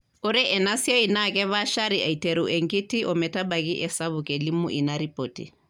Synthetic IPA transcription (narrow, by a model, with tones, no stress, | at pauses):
ɔ˦ɾɛ˦ʔɛ˨na˦si˦ɔ˦i˨nakɛ˦βa˦ʃa˦ɾi˨a˨i˨te˨ɾu˨ʔɛ˨ŋɡi˦ti˦ʔɔ˨mɛ˨ta˦ba˨ɣi˦ʔɛ˨sa˦βukɛ˨li˦mṵ˦ʔi˨naɾi˦potḭ˨